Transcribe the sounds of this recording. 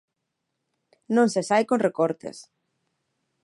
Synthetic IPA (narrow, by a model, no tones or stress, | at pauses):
nõnsesajkõnrekoɾt̪ḛs